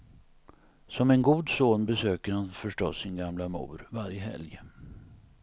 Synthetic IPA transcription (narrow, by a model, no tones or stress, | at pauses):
sɔmɛnɡuːd̪soːnbɛsøːkəɾhanfœʂʈɔsːɪnɡamlamṵːɾvaɾjəɦɛ̰ljə